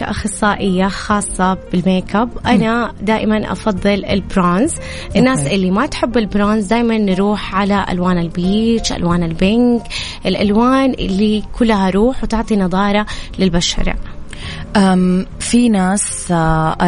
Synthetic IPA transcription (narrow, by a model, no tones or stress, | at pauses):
ʔa̰xɑsˤːɑːʔɪjːaxɑːsˤːɑb̥ɪlmeːkabʔanad̪aːʔɪmanʔɑ̰fɑðˤːɨlɪ̰lbɾaːnz | ʔɪnːaːsʔɪlːimat̪ħɪbːɪlbɾaːnzd̪aːjmanːɾuːħʕalaʔa̰lwaːnɪlbiːt͡ʃʔa̰lwaːnɪlbɪnkʔɪlʔalwaːnʔɪ̰lːikʰʊlːaɦaɾˤuːħwt̪ɪʕt̪ˤinɑðˤɑːɾˤɑlɪlbaʃɑ̰ɾˤ | ʔa | finaːs